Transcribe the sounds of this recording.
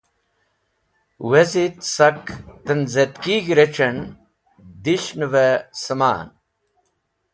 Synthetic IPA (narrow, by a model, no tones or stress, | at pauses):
wezit̪sɐkt̪ɐnzet̪kiɡɾeʈ͡ʂɐn | d̪iɕnʋesɐma̰ːn